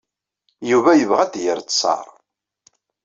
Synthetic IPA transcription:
juvæjəvʁæd̪jəɾt͡s̪sˤɑ̰ɾˤ

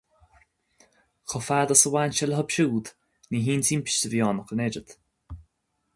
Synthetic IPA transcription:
xʰɔfad̪əsəwaːnʃɛləɦəbʃuːd̪ | niɦiːnt̪ʰiːmpi̥ʃtəvjɔːnəkənɛɾəd̪̥

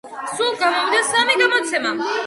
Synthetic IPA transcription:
sulˠɡamɔvid̪asamiɡamɔt̪sʰɛma

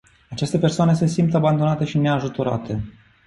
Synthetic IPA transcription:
at͡ʃest̪e̞pe̞rsoane̞se̞simpt̪aband̪onat̪e̞ʃine̞aʒut̪o̞ɾa̰t̪ʰe̞

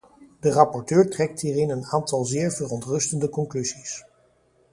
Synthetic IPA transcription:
dərɑpɔɹtøːɹtrɛk̚tɦiːrɪnənaːntɑlˠzɪːɹvərɔntrɵstəndəkɔŋklyzis

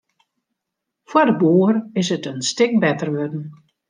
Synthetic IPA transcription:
fwadəboərɪsətənstɪk̚bɛtərʋødn̩

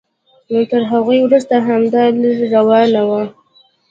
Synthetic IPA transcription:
not̪əɾɦaɣujwɾust̪aɦamd̪ɑləɾɾawɑnawa

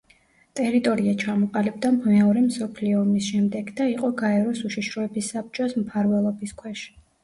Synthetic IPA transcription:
t̪ʼɛɾit̪ʼɔɾiat͡ʃʰamɔqʼalib̚d̪amɛɔɾɛmsɔpʰliɔːmisʃɛmd̪ɛɡd̪aiqʼɔɡaɛɾɔsuʃiʃɾɔɛbisːab̚t͡ʃʼɔsmpʰaɾvɛlˠɔbiskʰwɛʃ

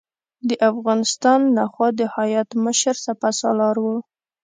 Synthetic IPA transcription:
d̪əʔafɣɑnɪst̪ɑnlaxwɑd̪əhajat̪məʃəɾsapasɑ̰lɑɾwə

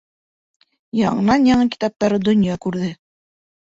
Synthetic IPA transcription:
jɑɴɤ̆nɑnjɑɴɤki̥t̪ɑp̚t̪ɑɾɤd̪ŏnjɑkʉɾðɘ

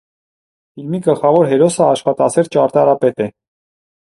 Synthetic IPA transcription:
filmiɡəlχɑvɔɾɦɛɾɔsəɑʃχɑt̪ɑt͡sʰɛɾt͡ʃɑɾt̪ɑɾɑpɛt̪ɛ

